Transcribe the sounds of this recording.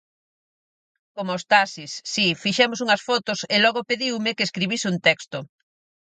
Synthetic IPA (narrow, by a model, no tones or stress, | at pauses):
komost̪asisːifiʃɛmosuŋɐsfɔt̪ʊselɔɣopeðiwmɪkeːskɾiβisɪunt̪ɛkst̪ʊ